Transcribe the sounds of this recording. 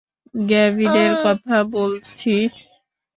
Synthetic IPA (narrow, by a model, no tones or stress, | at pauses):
ɡɛbideɾkɔt̪ʰabolt͡ɕʰi